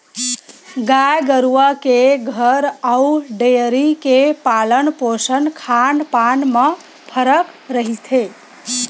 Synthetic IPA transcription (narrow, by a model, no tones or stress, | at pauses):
ɡajɡəɾuwəkeɡʱəɾauɖeəɾikepalənposənkʰanpanme | pʰəɾəkɾəɦit̪ʰe